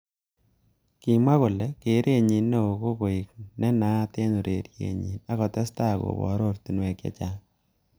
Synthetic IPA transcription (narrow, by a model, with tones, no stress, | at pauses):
ki˨mwa˦kʊ˨lɛ˦ke˨˦ɾʔe˦ɲi˨nːɛ˦o˨ko˦ko˨i˨k̚nɛ˦na˦te˦nu˨ɾe˨ɾjḛ˨ɲḭ˨na˦kɔ˨tɛ˦sta˦˨ko̰˨bɔ̰˨ɾo˦ɾtu˨nwe˨kjḛ˨t͡ʃa˦